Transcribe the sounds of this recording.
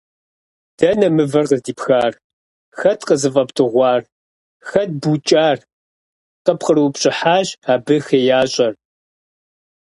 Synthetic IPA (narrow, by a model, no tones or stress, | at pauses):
d̥ɐnɐmɨvɐrqəzdiːpxaːr | xɐtqəzɨfʼɐptʰʼɨʁʷɑːr | xɐd̚but͡ʃʼaːr | qəpqərwpɕʼɪħaːʑaːbɨxeːjaːɕʼɐr